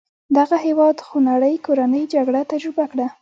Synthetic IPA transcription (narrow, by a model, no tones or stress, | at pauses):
d̪aɣaɦewɑd̪xonaɽəjkoɾanəjd͡ʒaɡɽat̪ad͡ʒɾɪbakɽa